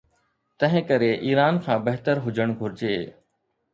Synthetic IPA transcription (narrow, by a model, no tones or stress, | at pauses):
t̪ɐ̃ɦɪ̃kəɾeʔiːɾaːnkʰãːbɐɦt̪əɾɦʊd͡ʒʱəɽ̃ɡʱʊɾɪd͡ʑeː